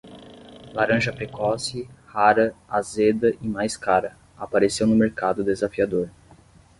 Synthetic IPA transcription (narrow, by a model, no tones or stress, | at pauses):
laɾɐ̃ʒɐpɾekɔsɪhaɾɐazed̪ɐʔɪmajskaɾɐ | apaɾesewnʊmeɾkad̪ʊd̪ezafiad̪oɾ